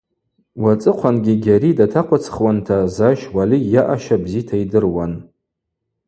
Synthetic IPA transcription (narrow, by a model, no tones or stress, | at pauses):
wat͡sʼɨqʷʰanɡʲiɡʲaɾidatʰaqʷʰat͡sʰχwantʰazaʃwalijaʔaʃabzitʰaidɨrwan